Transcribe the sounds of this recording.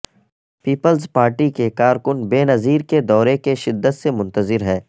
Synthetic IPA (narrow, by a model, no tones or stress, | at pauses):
piːpəlzpaːɾʈikekaːɾkʊnbeːnɐziːɾked̪ɔːɾekeʃɪd̪ːət̪semʊ̃nt̪əzɪɾɦɛː